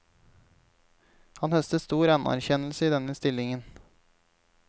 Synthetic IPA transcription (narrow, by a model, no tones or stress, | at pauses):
hɑnhœst̪əst̪uːɾɑnæ̰ɾçɛnl̩səiːd̪ɛnəst̪ɪlɪŋən